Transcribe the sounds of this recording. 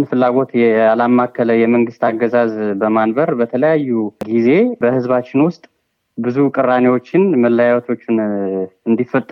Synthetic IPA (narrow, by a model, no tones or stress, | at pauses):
nfɨlːaɡo̞t̪jalamːakːələjɛməŋɡɨst̪ʰaɡːəzazbəmanbəɾbət̪ʰələjajːuɡize̞bəhɨzβat͡ʃːɪnwʊst̪ʼ | bɨzukʼɨrːanewo̞t͡ʃːɪnməlːəjawt̪ʰo̞t͡ʃːɪnɨnd̪ifːət̪ʼ